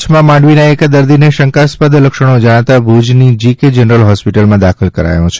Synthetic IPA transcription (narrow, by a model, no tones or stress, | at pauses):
t͡ʃʰmãmãɳɖʋinaekad̪əɾd̪ineʃəŋkaspad̪ləkʃəɽ̃od͡ʒaɽ̃at̪abʱud͡ʒnid͡ʒiked͡ʒənəɾəlɦɔspiʈəlmãd̪akʰəlkəɾa̰jõt͡ʃʰe̥